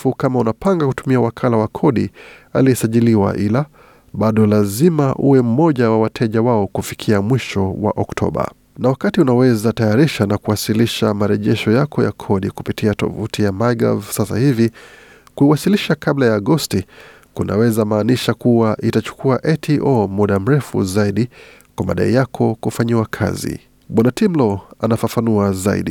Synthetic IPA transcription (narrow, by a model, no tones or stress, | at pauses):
fukamaunapaŋɡakutumiawakʰalawakʰɔɗia̰liɛsaʄiliwa̰ʔila | ɓaɗɔlazimaʔṵwɛm̩mɔʄawawatʰɛʄawaɔkufikʰiamwiʃɔwa̰ʔɔktʰɔ̰ɓa̰ | nawakatiunawɛzatajaɾiʃanakuwasiliʃamaɾɛʄɛʃɔjakɔja̰kʰɔɗiku̥pitiatɔ̰vutijamaɡa̰vsasa̰hivi | kuiwasiliʃakaɓlajaːɡɔsti | kuna̰wɛzamaːniʃakuwaʔitat͡ʃu̥kuaʔɛtʰiʔɔmuɗam̩ɾɛfṵzaiɗi | kwama̰ɗa̰ijakʰɔkufaɲiwakʰa̰zḭ | ɓwanatimlɔanafafanuazaḭɗi